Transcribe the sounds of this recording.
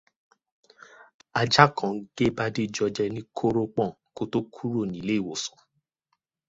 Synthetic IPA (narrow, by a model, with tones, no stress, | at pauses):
a˧d͡ʒa˦kʰɔ̃˨˦ɡ̥e˦ba˦de˦d͡ʒɔ˧d͡ʒɛ˧nĩ˦kʰo˦ɾo˦k͡pɔ̃˦˨ | ko˦to˦kʰu˦ɾo˦˨nĩ˨le˨˦i˦˨wo˨sɔ̥̃˨